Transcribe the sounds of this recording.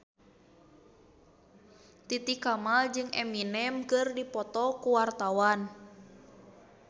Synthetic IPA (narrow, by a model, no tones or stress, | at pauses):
t̪it̪ikamald͡ʒɨŋɛminɛmkɨrdipɔt̪ɔkuwart̪awan